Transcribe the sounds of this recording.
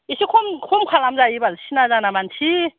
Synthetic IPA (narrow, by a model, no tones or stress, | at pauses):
iɕʰikʰomkʰomkʰalamd͡ʑaibaɕʰinazanamant͡ɕʰi